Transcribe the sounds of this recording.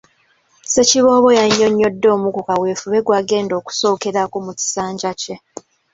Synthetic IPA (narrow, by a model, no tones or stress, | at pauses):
se̞ciβo̞ːβo̞jaɲːo̞ɲːo̞dːo̞ːmukukawe̞ːfuβe̞ɡwaːɡe̞ːndo̞ːku̥so̞ːke̞ɾakomuci̥saːɲɟace̞